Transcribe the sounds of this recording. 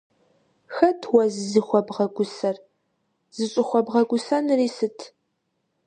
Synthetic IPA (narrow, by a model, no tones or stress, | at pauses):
xɐtʰwɐzɨziχʷɔbʁɐɡʷʊsɐr | z̥ɨɕʼɪχʷɔbʁɐɡʷʊsɐnriːsɨtʰ